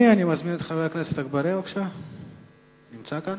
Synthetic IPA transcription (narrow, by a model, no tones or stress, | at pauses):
ianimazminet̪χaveakneset̪aɡbaɾiokʃa | nimt͡sakan